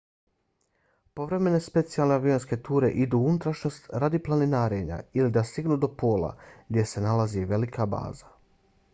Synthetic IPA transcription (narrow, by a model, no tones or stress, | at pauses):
po̞ʋɾe̞me̞ne̞spe̞t̪sijalˠne̞aʋio̞nske̞t̪uːɾe̞̰ʔid̪uunut̪ɾaʃno̞st̪ɾad̪iplˠaninaːɾeɲa̰ilid̪ast̪iɡnuːd̪o̞po̞ːlˠa̰ɡd̪ʲje̞se̞nalaziʋe̞likʰaba̰ːza